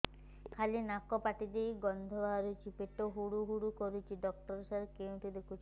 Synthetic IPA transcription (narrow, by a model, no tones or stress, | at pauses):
kʰalinakɔpaʈid̪ejɡɔnd̪ʱɔbaɾut͡ʃʰipeʈoɦuɽuɦuɽukɔɾut͡ʃʰiɖɔk̚ʈɔɾsaɾkewʈud̪ekʰut͡ʃʰi